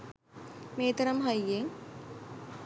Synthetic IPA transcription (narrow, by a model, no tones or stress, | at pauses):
meːt̪ɐɾɐmɦɐjːeŋ